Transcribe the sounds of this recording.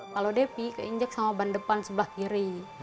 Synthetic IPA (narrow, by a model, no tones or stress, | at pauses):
kalodepikəiɲd͡ʒək̚samabandəpansəbəlahkiɾi